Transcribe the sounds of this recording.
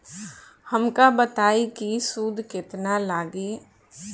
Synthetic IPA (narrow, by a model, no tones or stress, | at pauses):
hɐmkabət̪aːikisud̪ʱkɪt̪nalaːɡeː